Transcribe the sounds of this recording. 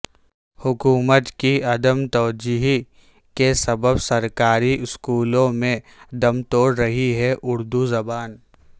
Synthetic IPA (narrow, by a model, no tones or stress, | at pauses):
hʊkuːmət̪kiɐd̪əmt̪ɔːd͡ʒiːɦi | kesɐbəbsɐɾkaːɾiʔɪskuːlõmẽ | d̪ɐmt̪oːɽɾɐɦiɦɛʔʊɾd̪uzɐbaːn